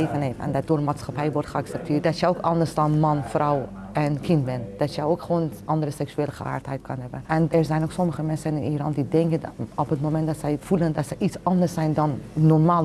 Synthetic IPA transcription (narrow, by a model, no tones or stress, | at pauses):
evənheːfɛ̰ndɔt̚doːrmaːtsxapɛjʋɔrtχəaksɛp̚tʰɪːt̚dɔtjəokɑndərsdɔnmɑnfraw | ɛnkʰɪntbɛnd̥ɔtjəjokχəʋoːnʔɑndərəsɛksyeːləχəa̰ːrthɛjtkʰənhɛbənɛnɛɹzɛjnoksɔməχəmɛnsənɪnirɑndidɛŋkənɔpətmomɛntdɔtsɛjfuləndɔtsɛjisɑndərsɛjndɔnːɔrmaːl